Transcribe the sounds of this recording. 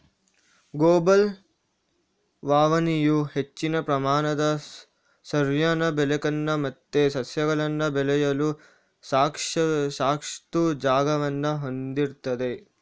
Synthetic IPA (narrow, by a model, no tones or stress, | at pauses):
ɡoːbɐl | ʋaːʋɐnijuhe̞t͡ʃːinɐpɾɐmaːnɐd̪ɐ | sɐɾjɐnɐbɛlɛkɐnːɐmɐt̪ːesɐsjɐɡɐɭɐnːɐbɛlɛjɐlu | saːkʂsaːkʂt̪ud͡ʒaːɡɐʋɐnːɐɦond̪iɾt̪ɐd̪e̞